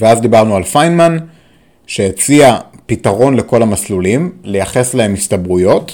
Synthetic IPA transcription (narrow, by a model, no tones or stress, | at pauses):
veazd̪ibaʁnualfajnman | ʃe̞et͡siapitaʁo̞nle̞ko̞lamaslulimle̞jaχe̞slae̞mistabʁujo̞t